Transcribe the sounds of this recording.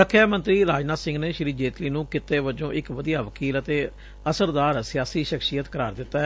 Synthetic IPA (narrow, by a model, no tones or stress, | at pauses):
səkʰːjaːmə̃nt̪ɾiːɾaːd͡ʒnaːsɪ̃ŋɡneːʃɪɾiːd͡ʒeːt̪liːnũːkɪt̪ːeːʋəd͡ʒõːʔɪkʋəd̪ijaːʋəkiːlət̪eː | əsəɾd̪aːɾsɪjaːsiːʃəkʃiːjət̪kəɾaːɾd̪ɪt̪ːa